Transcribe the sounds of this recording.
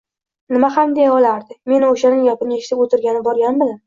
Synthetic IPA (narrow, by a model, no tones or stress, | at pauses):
nɪmahamd̪ejɒlaɾd̪ɪme̞nɪoʃanɪŋjɒpɪnɪeʃɪ̥t̪ɪpot̪ʰɪɾɡʲanɪbɒɾɡʲanbɪlam